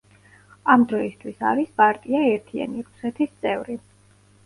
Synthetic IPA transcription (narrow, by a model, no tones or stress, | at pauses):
amd̪ɾɔist̪ʰwisa̰ɾispʼaɾt̪ʼiaɛɾt̪ʰia̰niɾusɛt̪ʰist̪sʼɛvɾi